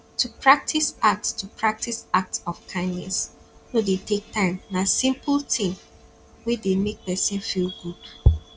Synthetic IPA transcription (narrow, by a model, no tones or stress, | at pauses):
tʰupʰɹak̚tʰisak̚tstʰupʰɹak̚tisak̚tsɔfkʰãɪ̃ndnɛ̰shodetek̚tãɪ̃mnasĩmpəltʰĩm | widemek̚pɛsɛ̃nfilɡud̥